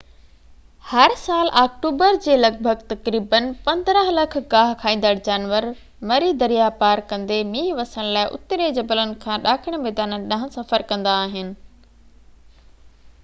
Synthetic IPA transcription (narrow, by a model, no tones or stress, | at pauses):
hɐɾsaːlʔaːk̚ʈuːbəɾd͡ʑeːlɐɡ̚bʱəɡt̪ɐkɾiːbənpɐ̃nd̪ɾəɦlɐkʰɡaːɦkʰaːĩːn̆d̪əɽd͡ʑaːnʋəɾ | mɐɾid̪ɐɾijapaːɾkɐ̃nd̪emiːɦʋɐsəɽ̃laːɪʔʊ̰t̪ɾed͡ʑɐbələnɪ̆kʰãːɗaːkʰɪɽ̃meːd̪aːnəɗɐ̃ɦə̃sɐfəɾkɐ̃nd̪aːɦɪnɪ̆